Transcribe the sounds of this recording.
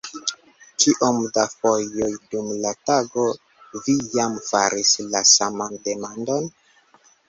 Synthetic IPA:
kiʔomdafo̞ojdumlataɡo̞ | vijamfaɾislasamande̞mando̞n

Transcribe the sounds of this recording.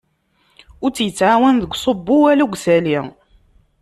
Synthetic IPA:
ʊɾt͡sːjət͡sːʕawænðəɡʷsˤobːʊwæluɡʷsæli

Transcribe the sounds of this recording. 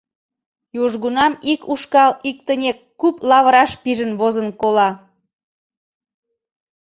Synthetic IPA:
joʒɣunɑmikuʃkɑlik̚t̪ənʲekːuplɑβəɾɑʃpiʒənβozənkolɑ

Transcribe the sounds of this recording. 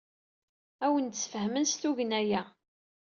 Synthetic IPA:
æwənt̪sfəɦmənst̪uʝənæjæ

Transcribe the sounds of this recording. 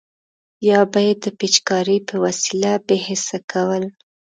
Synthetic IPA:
jɑbajed̪ːəpet͡ʃkɑɾipəwasilabeɦɪsakʰawəl

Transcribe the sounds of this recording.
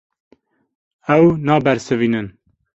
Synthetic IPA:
ɛwnɑːbɛɾsɨviːnɨn

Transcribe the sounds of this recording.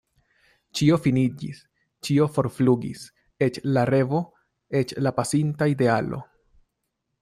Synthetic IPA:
t͡ʃio̞finid͡ʒḭs | t͡ʃio̞fo̞ɾfluɡḭs | e̞t͡ʃlaɾe̞vo̞ | e̞t͡ʃlapasintaide̞alo̞̰

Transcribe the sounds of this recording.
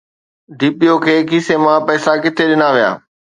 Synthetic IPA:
ɖʱiːpijokʰeːkiːsemãpɛːsakɪt̪ʰeɗɪnaʋija̰ː

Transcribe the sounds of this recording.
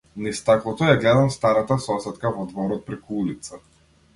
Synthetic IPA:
nɛist̪aklˠɔt̪ɔjaɡlɛd̪amst̪aɾat̪asɔsɛt̪kavɔd̪vɔɾɔt̪̚pɾɛkuulit̪sa

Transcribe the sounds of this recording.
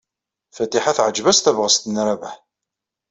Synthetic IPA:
fæt̪iħaθʕəd͡ʒvæst̪ævʁəst̪ənɾævæħ

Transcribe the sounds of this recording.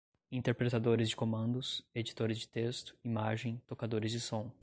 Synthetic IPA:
ĩnt̪eɾpɾet̪ad̪oɾɪzd͡ʒɪkomɐ̃nd̪ʊsed͡ʒit̪oɾɪzd͡ʒɪ̥t̪est̪ʊ̥imaʒẽj̃t̪okad̪oɾɪzd͡ʒɪsõw̃

